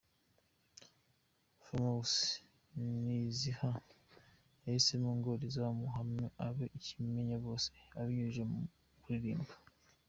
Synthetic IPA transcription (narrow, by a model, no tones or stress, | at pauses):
fomaus | niziha | eisemuːŋɡoɾizawamuɦamɲoʔaβeʔicimeɲaβo̞ːse̥aβiɲuʒam | kuiɾiːmbḁ